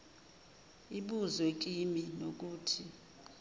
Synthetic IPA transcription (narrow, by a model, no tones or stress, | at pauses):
iɓuzwek̬ʼiminok̬uːtʰi